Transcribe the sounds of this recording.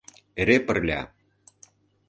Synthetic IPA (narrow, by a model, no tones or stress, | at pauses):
eɾepə̆rlʲɑ̰